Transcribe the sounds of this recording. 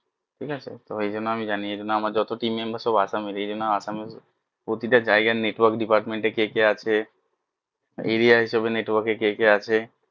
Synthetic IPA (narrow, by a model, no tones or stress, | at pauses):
ʈʰikat͡ɕʰḛt̪oejd͡ʒonːoamid͡ʑanied͡ʒonːoamaɾd͡ʒɔt̪oʈimembasɔbaʃamiɾed͡ʑonːoasame | pɾot̪iʈad͡ʒaeɡaneʈwɔɾkɖipaɾʈmeɳʈekekeat͡ʃʰe | eɾiaɦiʃebeneʈwɔɾkekekeat͡ʃʰe